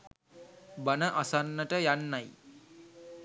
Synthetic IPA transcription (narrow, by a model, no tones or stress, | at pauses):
banəʔasanːəʈəjanːaj